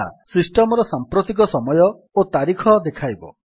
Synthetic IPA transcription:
a̰sisʈɔmɔɾɔsampɾot̪ik̬ɔsɔmɔjɔ | ot̪aɾikʰɔd̪ekʰajbɔ̰

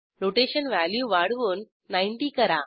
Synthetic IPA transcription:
loʈeːʃɐnʋaːljuʋaːɽʋonː | ɐɪɳʈikɐɾã̰ː

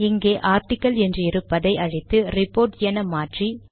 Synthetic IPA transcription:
ɪŋɡeːʔaːɾʈɪkːɐlɛndrɯɪɾɯpːɐðɐɪʔɐɻɪt̪ːɯrɪpːoːɾʈjeːnɐmaːʈri

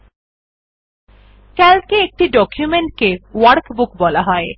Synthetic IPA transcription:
kɛlkeek̚ʈiɖɔkjumeɳʈ̚kewaɾkbukbɔlaɦɔe

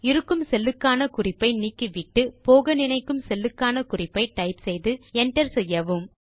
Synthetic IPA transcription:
ɪɾɯkːɯmsɛlːɯkːaːnɐkʊrɪpːɐɪniːkːɯʋɪʈːɯpoːɣɐnɪnɐɪkːɯmsɛlːɯkːaːnɐkʊrɪpːɐɪʈɐɪpsɛjðɯɛɳʈɐɾsɛjːɐʋɯm

